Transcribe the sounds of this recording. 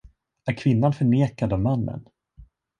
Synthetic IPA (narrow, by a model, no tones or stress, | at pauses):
æɾkʰv̥ɪnːanfœɳeːkad̪ɔvmanːə̰n